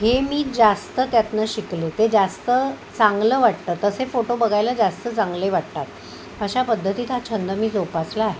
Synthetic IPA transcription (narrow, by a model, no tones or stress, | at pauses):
ɦemiːd͡zast̪ət̪jat̪naɕiklet̪ed͡zast̪ə | t͡saŋɡləːʋaɽt̪ət̪ːəsefoʈobəɡʱajlad͡zast̪ət͡saŋɡleʋaɽt̪at̪ | əɕapəd̪ʱːət̪iːt̪at͡ɕʰənd̪əmiːd͡zopaslaaɦe